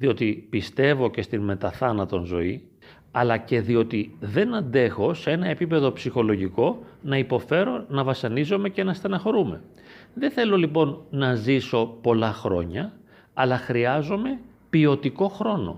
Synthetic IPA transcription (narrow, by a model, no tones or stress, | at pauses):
ðio̞t̪ipist̪e̞vo̞ce̞st̪inme̞t̪ɐθɐnɐt̪o̞nzo̞i | ɐlɐce̞ðio̞t̪iðe̞nɐnd̪e̞xo̞see̞nɐepipe̞ðo̞psixo̞lo̞ʝiko̞nɐipo̞fe̞ɾo̞nɐvɐsɐnizo̞me̞ce̞nɐst̪ɐnɐxo̞ɾume̞ | ðeθe̞lo̞lipo̞nːɐziso̞po̞lɐxɾo̞ɲɐ | ɐlɐxɾiɐzo̞me̞ | pio̞t̪iko̞xɾo̞no̞̰